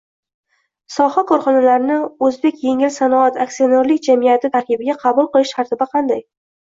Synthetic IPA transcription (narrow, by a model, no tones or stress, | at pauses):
sɒhakʰɒɾχɒnalaɾɪnɪɵzbe̞kʲjeŋɪlsanɒat̪ʰak̚sioneɾlɪkʲd͡ʒamijat̪ʰɪt̪ʰaɾkʲɪbɪɡʲaqʰɑbʊlˠqɨlˠɪʃt̪ʰaɾt̪ʰɪbaqʰɑnd̪aj